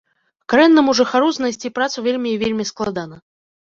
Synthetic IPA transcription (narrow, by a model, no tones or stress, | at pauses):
kaɾɛnːɨmuʐɨxaɾuznɐsʲtʲipɾat̪suvʲelʲmʲijvʲelʲmʲisklˠad̪anɐ